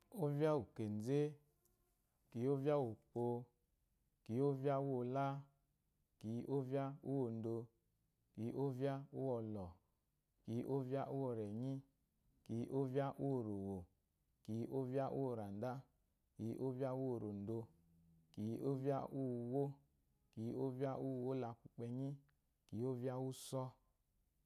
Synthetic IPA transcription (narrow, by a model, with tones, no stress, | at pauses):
o˦vja˦u˨ke˨n˨d͡ze˦ | ki˨˦o˦vja˦wo˨k͡po˧ | ki˨˦o˦vja˦u˦o˧la˦ | ki˨˦ʔo˦vja˦u˦wo˧˨n̩˨do˧ | ki˨˦ʔo˦va˦u˦wɔ˧lɔ˨ | ki˧ʔo˦va˦ʔu˦wɔ˧˨ɾɛ˨ɲi˦ | ki˨˦ʔo˦va˦ʔu˦o˨ɾo˨wo˨ | ki˨˦ʔo˦vja˦ʔṵ˦o˧˨ɾa˨n˨da˦ | ki˨˦ʔo˦vja˦wo˨ɾo˨n̩˨do˧ | ki˨ʔo˦vja˦ʔu˦wo˦ | ki˨o˦vja˦ʔu˦˨wo˦la˧ku˨k͡pɛ˧ɲi˦ | ki˨˦o˦vja˦wu˦sɔ˦